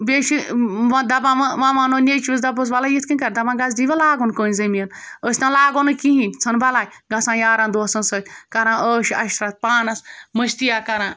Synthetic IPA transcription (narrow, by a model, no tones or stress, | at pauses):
bʲeːʃiʋãd̪ɐbãːʋaʋãʋãːnonʲet͡ʃʰis̬d̪ɐbos̬ʋalajit̪ʰkɨnʲkɐɾd̪ɐbãːɡɐzd̪iʋʲelaːɡonkoːnʲzɐmiɐnəːsʲt̪ãːlaːɡonɨkiɦĩnt͡sʰɐnbɐlaːj | ɡɐsãːjaːɾãːnd̪oːsɐnsət͡ʃʲkɐɾãːʔəːʃɐʃt̪ɾat̪̚paːnɐsməʃt̪ijaːkɐɾãː